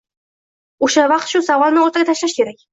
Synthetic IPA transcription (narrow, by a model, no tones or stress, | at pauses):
uʃavɑqt̪ʃusɑwɑlˠnɪoɾt̪ɑɡat̪æʃlæʃkʲeɾæk̚ʲ